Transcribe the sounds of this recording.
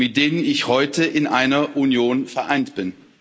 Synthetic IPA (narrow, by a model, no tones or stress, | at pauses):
mɪt̚d̥eːnənɪçhɔʏtəʔɪnʔaɪnɐʔunjoːnfɛɐʔaɪntb̥ɪn